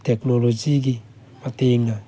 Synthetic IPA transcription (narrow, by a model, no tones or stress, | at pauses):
t̪eknolod͡ʒiɡi | pat̪eŋːa